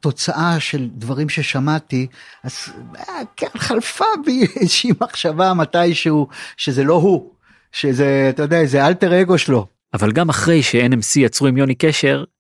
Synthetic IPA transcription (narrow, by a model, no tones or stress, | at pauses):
t̪o̞t͡saʔaʃe̞ld̪vaʁimʃe̞ʃamat̪iaz | kenχalfabiezʃimaχʃavamat̪ajʃeuʃe̞zelo̞ɦu | ʃezeat̪ajodeazealteʁeɡo̞ʃlo̞ | avalɡamaχʁe̞jʃeenemsijat͡sʁuimjo̞nikeʃe̞ʁ